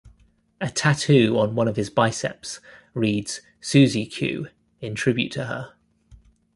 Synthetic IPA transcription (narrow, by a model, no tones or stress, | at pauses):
ətʰatʰʉːə̃nwʌ̃ñəv̥ɪzbaɪsɛ̰p̚sɹiːdz̥ | sʉːzikʰj̥ʉ̰ː | ɪ̃ntʰɹ̥ɪbjʉ̰tʰəə